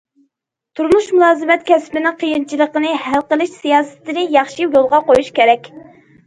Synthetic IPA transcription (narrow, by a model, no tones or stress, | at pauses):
t̪ʰuɾmuʃmulˠɑːzɨmɛt̪kʲɛspɪnɪŋqʰəjint͡ʃʰilˠəqənɨhælqəlˠɨʃsijɑːsɨ̥t̪ɨnɨjɑχʃijolˠʁɑqojuʃkʲeɾɛkʲ